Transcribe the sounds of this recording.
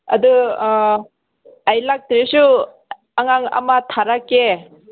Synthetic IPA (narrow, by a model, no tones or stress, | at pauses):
ad̪ɯ | ajlak̚t̪ɾesu | aŋaŋa̰mat̪ʰaɾake